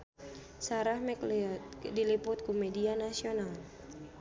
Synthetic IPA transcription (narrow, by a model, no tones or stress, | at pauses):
saɾahmɛklt̪dilipʊt̪̚kumɛdianasional